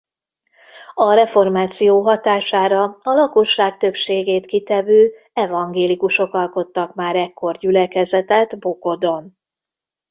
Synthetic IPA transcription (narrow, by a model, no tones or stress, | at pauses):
ɒɾɛfo̞rmaːt̪sijoːɦɒt̪aːʃaːɾɒɒlɒkoʃːaːkt̪ø̞pʃeːɡeːt̪kit̪ɛvøː | ɛvɒŋɡeːlikuʃo̞kɒlko̞t̪ːɒkmaːɾɛkʰːo̞rɟylɛkɛzɛt̪ɛd̪boko̞d̪o̞n